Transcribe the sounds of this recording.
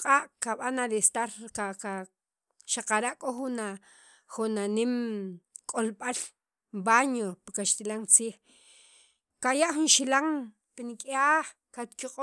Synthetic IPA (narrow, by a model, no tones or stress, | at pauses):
qʼaːʔkaɓanadest̪aɾkaka | ʃaqaɾaʔkʼoχuna | χunanimkʼolɓal | mbaɲopikaʃt̪ilaŋt͡siːχ | kajaʔχunʃilaŋ | pinikʼaːχ | kat̪kiqʼo